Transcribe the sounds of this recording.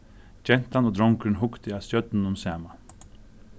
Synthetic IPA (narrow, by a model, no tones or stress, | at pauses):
d͡ʒɛn̥t̪anɔːd̪ɾɔŋkənɦʊkt̪ɪast̪jœt̪nnʊmsæːman